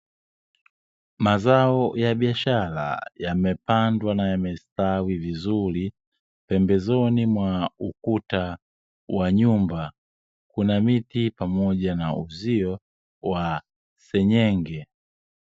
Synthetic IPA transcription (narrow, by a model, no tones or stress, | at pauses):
mazaɔjaɓiaʃala̰jamɛpandwanajamɛstawivizuli | pɛmbɛzɔnimwaukuta | waɲumba | kunamitipamɔʄanauziɔ | wa | sɛɲɛŋɡɛ